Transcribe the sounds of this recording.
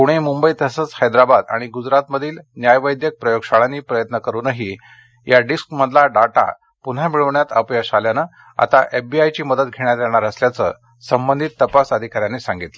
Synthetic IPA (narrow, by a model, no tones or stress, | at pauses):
kuɽ̃emumbəit̪əsət͡shəjd̪ɾabad̪a̰ɽ̃iɡud͡zɾat̪məd̪ʱiːlnjajʋəjd̪jək̚pɾəjoɡʂaɭaniːpɾəjət̪nəkəɾuːnəɦi | jaɖiskməd̪ʱlaɖaʈa̰ | pun̤amiɭəʋɳjat̪əpjəɕaljanə | a̰t̪aʔefbiajt͡ɕiːməd̪ət̪ɡʱeɽ̃jat̪jaɽ̃aɾəsljat͡sə̰ | səmbənd̪ʱit̪ːəpasəd̪ʱikaɾjanesãŋɡit̪lə